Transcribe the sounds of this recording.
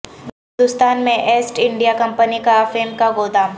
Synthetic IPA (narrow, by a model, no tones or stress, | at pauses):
ɪ̃nd̪ʊst̪aːnmẽʔeːsʈɪ̃ɳɖijakɐ̃mpənikafeːmkaɡoːd̪aːm